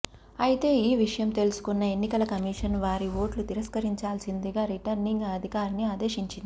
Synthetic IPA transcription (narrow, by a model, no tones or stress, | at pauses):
ɐjit̪e̞ːiːʋiʂɐjɐmt̪e̞lusu̥kunːɐe̞nːikɐlɐkɐmiːʂɐnʋaːɾiʋo̞ːʈlut̪iɾɐskɐɾiɲt͡ʃaːlsind̪iɡaːɾiʈɐɾniŋɡɐd̪ʱikaːɾniaːd̪e̞ːʂiɲt͡ʃind̪i